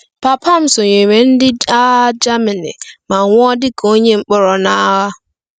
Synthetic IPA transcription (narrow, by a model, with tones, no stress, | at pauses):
pa˨pʰa˦m̩˦sʊ˨ɲe˨me˨n̩˦dɪ˦a˦d͡ʒa˦mɪ˨nɪ̰˨ma˨ŋʷ˦ɔ˦dɪ˦ko˦ɲe˦ŋ͡m̩˦k͡pɔ˦ɾɔ˨na˦ɦa˦